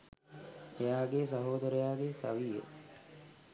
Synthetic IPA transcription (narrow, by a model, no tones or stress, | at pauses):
ejaːɡeːsɐɦoːd̪əɾəjaːɡeːsa̰ʋijə̰